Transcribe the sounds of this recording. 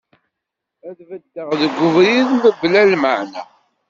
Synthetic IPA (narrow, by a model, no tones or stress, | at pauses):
æðvəd̪ːəʁðəɡʷːʊvɾiðməbːlælməʕnæ